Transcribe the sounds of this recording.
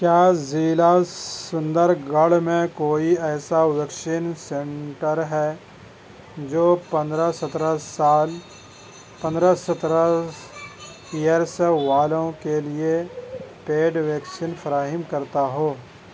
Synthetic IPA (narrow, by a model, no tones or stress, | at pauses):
kjaːziːlasʊ̃nd̪əɾɡɐɽmẽkoːiɛːsawəkʃiːnsẽɳʈəɾɦɛː | d͡ʒoːpɐ̃nd̪ɾasɐt̪ɾasaːl | pɐ̃nd̪ɾasɐt̪ɾa | ijəɾseʋaːlõkeliepeːɖʋɛːksinfʰɐɾaːɦɪmkɐɾt̪aɦoː